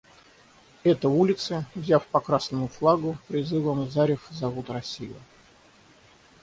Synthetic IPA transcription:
ɛt̪əulʲɪt̪səvzʲafpɐkɾasnʊjʊflˠaɡʊpɾʲɪzɨvəmzaɾʲɪfzɐvut̪rɐsʲijʊ̰

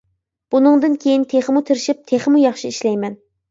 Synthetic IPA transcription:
b̥unɨŋd̪ɨnkʲʰejint̪ʰeχəmut̪ʰɪɾɪʃip̚t̪ʰeχəmujɑχʃiiʃlɛjmɛn

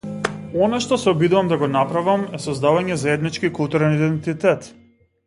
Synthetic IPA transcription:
ɔnaʃt̪ɔsɛɔbid̪uvamd̪aɡɔnapɾavamɛsɔzd̪avaɲɛzaɛd̪nit͡ʃkikulˠt̪uɾɛnid̪ɛnt̪it̪ɛt̪

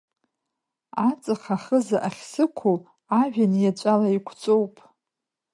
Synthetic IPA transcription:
at͡sʼɨχaχəzaʔaχʲsɨkʷʰʊl | aʒᶣanjat͡ʃʷʼalaikʷʰt͡sʼo̞wpʼ

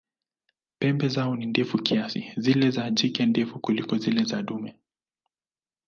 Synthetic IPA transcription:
pɛmbɛzaɔnindɛfukiasḭzilɛzad͡ʒikɛndɛfukulikɔzilɛzaɗumɛ

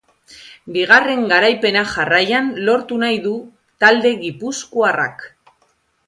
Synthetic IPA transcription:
biɣ̞are̞ŋɡaɾajpe̞naʝarajanlo̞ɾt̪unajðu | t̪ald̪e̞ɣipuskuara̰k

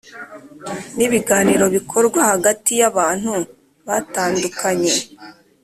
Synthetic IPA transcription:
niβiɡaːniɾo̞βikʰo̞ɾɡwahaɡatijaβaːn̥hu | βataːndukʰaɲe̞

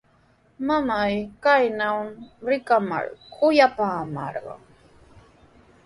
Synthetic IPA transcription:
mamajkajnawɾɪkama̰ɾkʰʊjapaːma̰ɾɢɑ̰ŋ

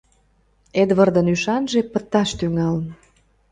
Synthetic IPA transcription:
ed̪βərd̪ənyʃɑnʒepət̪ːɑʃt̪yŋɑlən

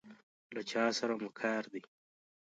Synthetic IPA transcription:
lat͡ʃɑːsaɾamʊkʰɑːɾd̪i

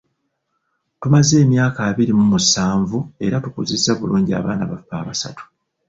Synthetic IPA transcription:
tumaze̞ːmjaːkaːβiɾimumusaːɱvue̞ɾatukuzizːaβuluːɲɟia̰ːβaːnaβafːaːβasa̰tu̥

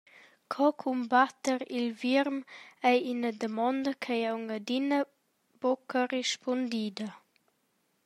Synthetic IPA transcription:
kʰɔkʰumbat̪əɾilviɾmɛjinəd̪əmɔnd̪əkʰɛjawŋəd̪inə | b̥ɔkəreʃpʰɔnd̪id̪ə

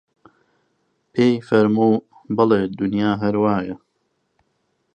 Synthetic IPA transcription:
pʰeːjfɐɾmuː | bɨleːd̪ʊnjaːɦɐɾwaːjɐ

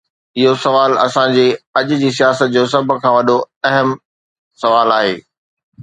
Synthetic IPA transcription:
ɪɦosɐʋaːlɐ̰sãd͡ʑeːɐʄʊ̆d͡ʑiːsijaːsət̪̚d͡ʑoːs̬ɐb̆ʱkʰãːʋɐɗo | ɐɦəm | sɐʋaːlaːɦḛː

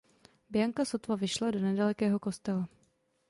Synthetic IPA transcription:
bɪjaŋkasot̪vavɪʃlado̞nɛdalɛkɛːɦo̞ko̞st̪ɛla

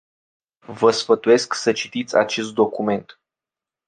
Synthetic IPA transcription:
vəsfət̪uje̞sksət͡ʃit̪it̪sʲa̰t͡ʃe̞s̬t̪̚d̪o̞kume̞nt̪

